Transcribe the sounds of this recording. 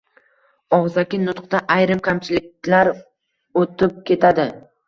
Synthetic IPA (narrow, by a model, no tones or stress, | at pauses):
ɒʁzakʲɪnʊt̪qt̪aʔajɾɪmkʲʰamt͡ʃʰɪlɪk̚ʲlaɾ | ot̪ɪp̚kʲʰe̞t̪ʰad̪ɪ